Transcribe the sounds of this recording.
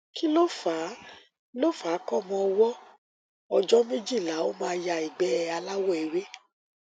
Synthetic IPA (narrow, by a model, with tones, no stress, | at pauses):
kʰi˦lo˦fa˨˦ | lo˦fa˨˦kɔ˦˨mɔ̃˧wɔ˦ | ɔ˧d͡ʒɔ˦mẽ˦d͡ʒi˦˨la˨˦o˦mãː˧ja˧i˨ɡ͡bɛ˨˦ɛ˧a˧la˦wɔ˦e˨we˦